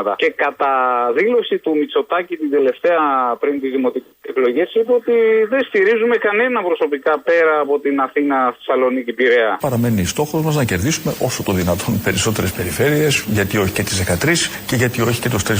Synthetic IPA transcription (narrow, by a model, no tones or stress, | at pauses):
t̪ɐce̞kɐt̪ɐðilo̞sit̪umit͡so̞t̪ɐcit̪ind̪e̞le̞ft̪e̞ɐpɾint̪izðimo̞t̪iieklo̞ʝessipeot̪iðenst̪iɾizume̞kɐne̞nɐpɾo̞so̞pikɐpe̞ɾɐːpo̞t̪inɐθinɐi̥sɐlo̞nicipiɾeɐpɐɾɐme̞niːst̪o̞xo̞zmɐznɐce̞ɾðisume̞ʔo̞sot̪oðinɐt̪ʰo̞npe̞ɾiso̞t̪e̞ɾe̞spe̞ɾife̞ɾie̞sʝɐt̪io̞çi̥cet̪izðe̞kɐt̪ɾisce̞ʝɐt̪io̞çi̥ce̞t̪ost̪ɾi